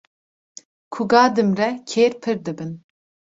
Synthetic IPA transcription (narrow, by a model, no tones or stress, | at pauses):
kʰuɡɑːd̪ɨmrɛkʰeːɾpʰɨɾd̪ɨbɨn